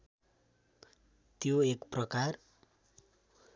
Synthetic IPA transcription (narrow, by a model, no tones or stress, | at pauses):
t̪joekprʌkar